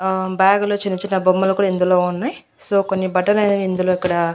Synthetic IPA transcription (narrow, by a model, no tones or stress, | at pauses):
baːɡɐloːt͡ʃinit͡ʃːinɐbomːɐlɐkuːɽaɐend̪uloːunːaji | so̞ːkonːibɐʈːɐlind̪uloːikːɐɽɐ